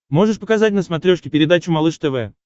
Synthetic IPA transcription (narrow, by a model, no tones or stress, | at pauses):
mo̞ʐɨʂpəkazat̚ʲnəsmɐt̪ɾʲoʂkʲɪpʲɪɾʲɪd̪at͡ɕʊmalˠɨʂt̪ɛvɛ̰